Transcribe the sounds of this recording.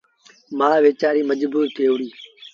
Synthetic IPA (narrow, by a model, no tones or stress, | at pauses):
mãːʋeːt͡ʃaːɾiːməd͡ʒbuːɾt̪ʰeːoːɾiː